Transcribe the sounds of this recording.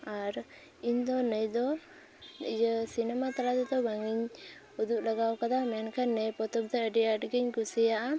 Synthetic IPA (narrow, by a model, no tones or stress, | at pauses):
aɾ | iɲd̪ɔnəjd̪ɔ | ijəsinɛmat̪alat̪ɛt̪ɔbaŋiɲ | ud̪uʔlaɡawkad̪amɛnkanːɛpɔt̪ɔb̚d̪ɛəɖiəʈɡiɲkusijaʔa